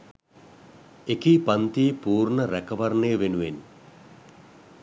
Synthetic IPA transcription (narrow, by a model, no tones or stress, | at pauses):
ekipɐnt̪iːpuːɾnəɾækɐʋɐrnejʋenuʋen